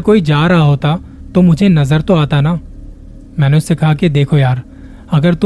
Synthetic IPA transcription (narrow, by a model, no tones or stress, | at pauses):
koːid͡ʒaːɾaɦaɦoːt̪a | t̪omʊd͡ʒʱenɐzəɾt̪oaːt̪anaː | mɛ̃ːneʊsːekɐɦaked̪eːkʰojaːɾ | ɐɡəɾt̪ʊ